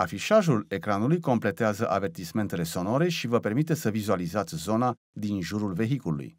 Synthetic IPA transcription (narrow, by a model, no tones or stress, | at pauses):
afiʃaʒule̞kɾanulujko̞mple̞t̪eazəʔave̞rt̪isme̞nt̪e̞le̞so̞no̞ɾe̞ʃivəpe̞rmit̪̬esəvizualizat̪sʲzo̞na | d̪inʒuɾulve̞ɦikulṵṵj